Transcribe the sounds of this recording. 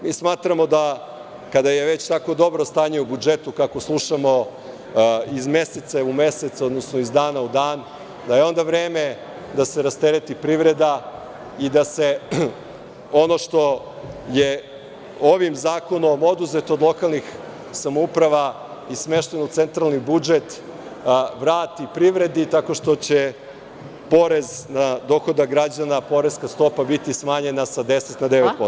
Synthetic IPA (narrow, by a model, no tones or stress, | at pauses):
miːsmaːt̪ɾamo̞d̪a | kad̪aje̞ʋe̞t͡ɕt̪ako̞d̪o̞bɾost̪aːɲe̞ubud͡ʒet̪ukakoslˠuʃamo̞ | izme̞set̪saume̞set̪so̞d̪nosnoizd̪aːnaud̪aːn | d̪ajeo̞nd̪aʋɾeːme̞ | d̪aseɾast̪eɾet̪ipɾiʋɾe̞d̪a | id̪ase | o̞no̞ʃt̪o̞ | je | o̞ʋimzaːko̞no̞mo̞d̪uzet̪od̪lˠo̞kalˠnix | samoupɾaʋa | isme̞ʃt̪enot̪se̞nt̪ɾalˠnibud͡ʒet̪ | ʋɾaːt̪ipɾiʋɾe̞d̪it̪ako̞ʃt̪o̞t͡ɕe | po̞ɾe̞znad̪o̞xo̞d̪aɡɾad͡ʑanapo̞ɾeskast̪o̞pabit̪ismaːɲe̞nasad̪e̞set̪nad̪eʋet̪̚pos